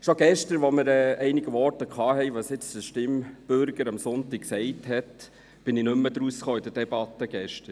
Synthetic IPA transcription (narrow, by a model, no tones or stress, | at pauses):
ʃoɡ̥ɛʃtəʋɔmɪɾɛːɛɪniɡəʋɔrtəkʰɑːɦɛɪʋɑsɪt͡sdəʃtɪmb̥ʏɾɡəɾɑmsʊntik̚ksɛɪthɛt | b̥ɪninʏmːəd̪ɾusχoːid̥əd̥ɛb̥ɑt̪ːəɡ̥ɛʃtəɾ